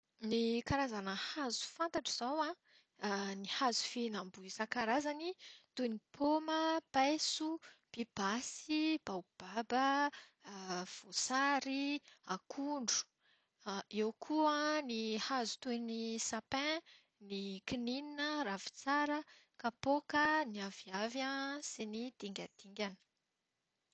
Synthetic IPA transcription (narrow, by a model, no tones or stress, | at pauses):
nikaɾazanəhazu̥fant̪aʈ͡ʂiz̥awã | nihazu̥finambuisakaɾazanit̪unipʰoməpajsub̥ib̥asib̥awb̥abə | v̥osaɾiakʰuɳɖ͡ʐu̥ | iwkʰuãnihazu̥t̪uenisapɛ̃ | nikinininəravi̥t͡saɾə | kapokəniaviavjãsenid̪̥iŋɡʲad̪̥iŋɡʲanə̥